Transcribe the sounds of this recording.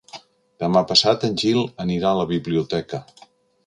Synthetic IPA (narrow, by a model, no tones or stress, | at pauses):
d̪̥əmapəsat̪ənʲʒilˠəniɾaələβiβliut̪ɛkə